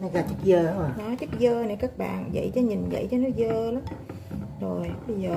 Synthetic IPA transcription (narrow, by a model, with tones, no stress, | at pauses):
nɔ˨˦zaː˨˩t͡ɕɨ˦˥k̚zəː˧˨˦nɔ˨˦jt͡ɕɨ˦˥k̚zəː˧ne˨˩kaː˦˥k̚ɓa̰ː˧˨nzə̰˧˨jt͡ɕɔ˨˦ɲi˨˩nzə̰˧˨jt͡ɕɔ˧˦n˦˥əzəː˧la˨˦m | zo˨˩jɓə˧jzəː˨˩